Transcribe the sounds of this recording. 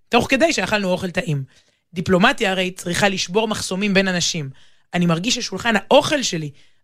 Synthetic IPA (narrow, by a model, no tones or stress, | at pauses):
to̞χke̞d̪ajʃeaχalnuo̞χe̞lt̪aʔim | d̪iplo̞mat̪ijaːʁe̞jt͡sʁiχaliʃbo̞ʁmaχso̞mimbe̞nanaʃim | animaʁɡiʃaʃulχanhaʔo̞χe̞lʃe̞li